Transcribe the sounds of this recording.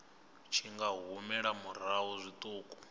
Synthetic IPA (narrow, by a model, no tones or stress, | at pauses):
t͡ʃʰiŋɡaɦumɛɺamuɾ̤aɦuzʷit̪ʼuːkʼu